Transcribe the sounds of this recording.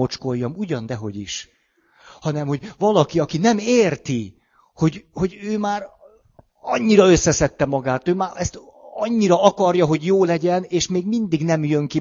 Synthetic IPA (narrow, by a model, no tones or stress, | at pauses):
o̞t͡ʃko̞jːɒmuɟɒnd̪ɛɦo̞̰ɟiʃ | hɒnɛmho̞ɟvɒlɒkiɒkinɛmeːrt̪i | ho̞ɟho̞ɟøːmaːɾ | ɒɲːiɾɒø̞sːɛsɛt̪ːɛmɒɡaːt̪øːmaːɛst̪ɒɲːiɾɒɒkɒrjɒɦo̞ɟjoːlɛɟɛneːʃmeːɡmind̪iɡnɛmjø̞ŋki